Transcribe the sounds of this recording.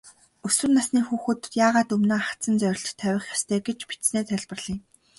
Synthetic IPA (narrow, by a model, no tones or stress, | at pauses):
ɵswɘ̆rnasniːxuːxŭt̪jaːʁaːt̪ɵmnoːχḁt͡sə̆nt͡sœɾʲɪ̆ɬt̪t̪ʰːæwʲɪ̆χjḁst̪ʰæːɡet͡ɕpi̥t̪sneːt̪ʰæɮpə̆rɮ̥iːŋ